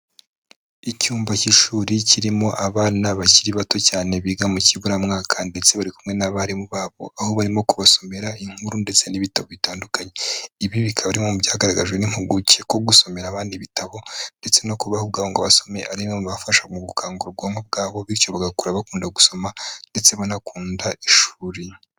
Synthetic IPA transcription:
icuːmbaciʃuːɾiciɾimo̞ʔaβaːnaβaciɾiβato̞caːne̞βiːɡamuciβuɾamŋaːkʰande̞t͡se̞βaɾikumŋe̞naβaɾimuβaːβo̞ʔaho̞βaɾimo̞kuβaso̞me̞ɾaiŋ̥huɾunde̞t͡se̞niβitaβo̞βitaːndukaɲe̞iβiβikʰaβaɾimo̞mubjaːhaɡaɾaɡaʒɡweniŋ̥uɡuceko̞ɡuso̞me̞ɾaβaːndiβitaβo̞nde̞t͡se̞no̞kuβahob̚ɡaːβoŋɡaβaso̞me̞ʔaɾimomβafaʃamuɡukʰaːŋɡuɾoɡwamob̚ɡaːβo̞βiɾjo̞βaɡakuɾaβakuːndaɡuso̞mande̞t͡se̞βanakuːndaiʃuːɾi

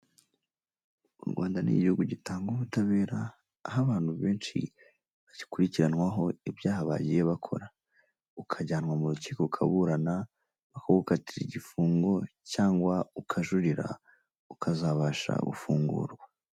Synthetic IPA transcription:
ṵɾɡwaːndanḭɟihuɡuɟitaːŋɡuβutaβe̞ːɾaː | ɦaβaːn̥huβe̞ːnʃḭ | βaɟikuɾiciɾanwaɦo̞ibjaːhaβa̰ɟije̞βakʰo̞̰ɾa | ukʰaɟaːnwamuɾuciːkoukʰa̰βuɾana | βakoβukatiɾiɟifuːŋɡo̞caːŋɡwaukʰaʒuɾiɾa̰ | ukʰazaβaʃa̰βṵfuːŋɡṵːɾɡwa

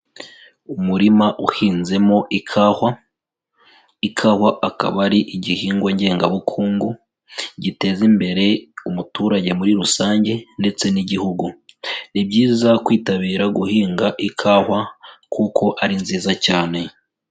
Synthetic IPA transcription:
umuɾimaʔuhiːnze̞mo̞ʔikʰahwa | ikʰaːhwaʔaka̰βaɾiʔiɟihiːŋɡwaɲɟe̞ːŋɡaβukʰuːŋɡu | ɟite̞zimbe̞ɾe̞umutuːɾaɟe̞muɾiɾusaːɲɟe̞nde̞t͡se̞niɟihuɡunib̚ɟiːzakwiːtaβiːɾaɡuhiːŋɡaʔikʰaːhwakʰuko̞ʔaɾinziːzacaːne̞

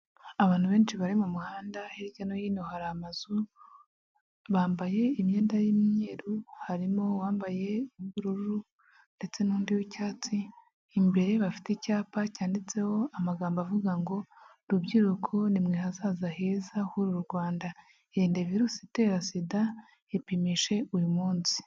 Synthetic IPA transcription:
aβaːn̥uβe̞ːnʃiβaɾimumuhaːndaheɾiɟanojiːnohaɾahamazu | βaːmbaje̞imɲe̞ːndajimɲe̞ːɾuhaɾimo̞waːmbaje̞uɡuɾuɾuɾu | nde̞t͡se̞nuːndiwicaːt͡siː | mbe̞ɾe̞βafi̥tecaːpacaːndit͡se̞ho̞amaɡaːmbavuɡaŋɡo̞ | ɾubɟiɾukʰonimŋehazaːzahe̞ːzahuɾuɾuɾɡwaːnda | eɾiːndeviɾuːsite̞ːɾasida | ipimiʃe̞ujumuːnsi̥

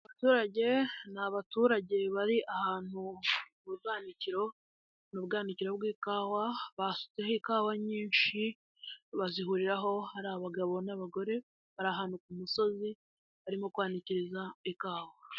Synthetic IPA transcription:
aβatuːɾaɟe̞naβatuːɾaɟe̞βaɾiʔahaːn̥u | uɡaːniciɾo̞ | nuβbɡaːniciɾo̞βɡiːkaːwaβasu̥t͡sehekaːwaɲiːnʃi | βaziɦuɾiɾaɦo̞haɾaːβaɡaβo̞naβaɡo̞ɾe̞ | βaɾaːɦaːn̥hukumuso̞zi | βaɾimo̞kwaːniciɾizaikaːwa

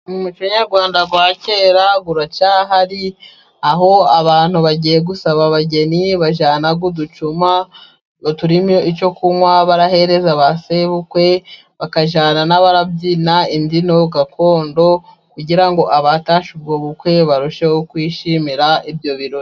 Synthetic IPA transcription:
umuciɲaɾɡwaːndaɡwaːce̞ːɾaɡuɾat͡ʃaːɦaɾi | aɦo̞aβaːn̥huβaɟije̞ɡusaβaβaɟe̞niβaʒaːnaɡudut͡ʃuma | tuɾimjoit͡ʃo̞kumwaβaɾaɦe̞ɾe̞zaβaseβukwe̞ | βakaʒaːnanaβaɾabɟiːnaindino̞ɡakʰo̞ːndo̞ | kuɟiɾaŋɡo̞ʔaβataʃub̚ɡoβukwe̞βaɾuʃehokwiːʃimiɾaibjo̞βiɾoi

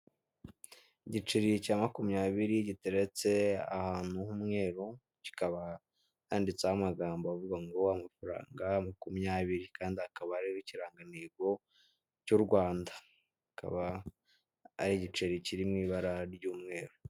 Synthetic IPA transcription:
iɟit͡ʃiɾicaːmakumɲaːβiɾiɟiteɾe̞t͡se̞a̰haːn̥huhumŋe̞ːɾo | ci̥kaβa | andit͡sahamaɡaːmboavuɡaŋɡo̞amafaɾa̰ːŋɡamakumɲaːβiɾikaːndiakaβaɾiiciɾaːŋɡaneːɡo̞ | cuɾɡwaːnda | kʰa̰βa | ɾiɟit͡ʃiɾiciɾimŋiːβaɾaɾɟuːmŋe̞ːɾo

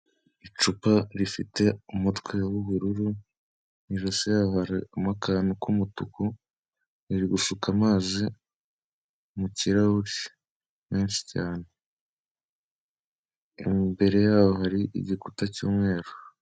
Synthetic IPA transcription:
it͡ʃupaɾifite̞umutkwe̞wuβuɾuɾu | niʒosejaːohaɾamakanukʰumutuku | iɾiɡuʃukamaːzi | muciɾauɾi | meːnʃi̥caːne | ḭmbe̞ɾe̞jaːwohaɾiʔḭɟikutacṵːmŋe̞ːɾo̥

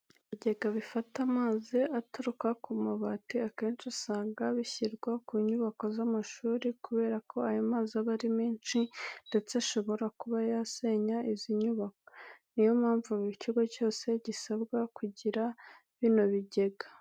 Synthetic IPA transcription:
βiɟe̞ɡaβifatamaːziʔatuɾukakumaβatiakeːnt͡ʃusaːŋɡaβiçiɾɡwakuːɲuβako̞zamaʃuːɾikuβe̞ːɾakʰo̞ajomaːzaβaɾimiːnʃinde̞t͡seʃo̞βo̞ɾakuβajase̞ɲaʔiziɲuβakonijo̞mhaːɱvuββiciɡoco̞ːse̞ɟisabɡakuɟiɾa | βino̞βiɟe̞ɡa

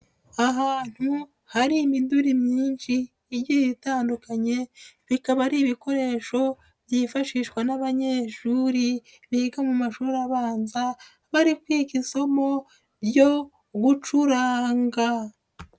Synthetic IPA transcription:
aɦaːn̥hu | haɾiːmiduɾimɲiːnʃiː | ɾjiβitaːndukaɲe̞βikaβaɾiːβiko̞ɾe̞ːʃo̞ | bjifaʃiːʃkwanaβaɲeːʃuɾi | βiɡamumaʃuɾaβaːnza | βaɾikwiːkisomo̞ | bjo̞ | ɡut͡ʃuɾaːŋɡa

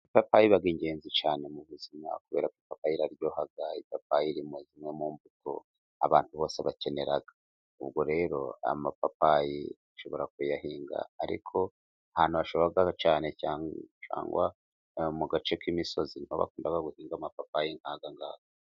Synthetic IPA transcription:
ipapajiβaɡiɲɟe̞ːnzit͡ʃaːne̞muβuzima̰kuβe̞̰ːɾakwipapajiɾaɾjo̞ːhaɡaipapajiɾimuzimŋe̞muːmbuto̰ | a̰βaːnthuβo̞ːse̞βace̞ne̞ɾaɡa | uβɡo̞ɾe̞ːɾo̞̰a̰mapapajḭ | aʃo̞βo̞ɾakujahiːŋɡa̰ːɾḭkʰo̞ | ahaːn̥huβaʃoβaɡat͡ʃaːne̞caːt͡ʃa̰ːŋɡwa | muɡat͡ʃekimiso̞ziniho̰βa̰kuːndaɡaɡuhiːŋɡamapapajiŋhaɡaŋɡaːɡa

